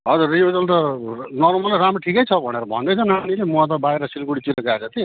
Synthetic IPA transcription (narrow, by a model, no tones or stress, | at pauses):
ɦʌd͡zurːibed͡zʌlt̪ʌnʌrmʌlʌramrʌʈʰikʌjt͡sʰʌbʱʌneɾʌbʱʌ̰nd̪ʌjt͡sʰʌnanilemuat̪̬ʌbaeɾʌsilkuɽit͡siɾʌɡat͡sʰʌt̪ʰi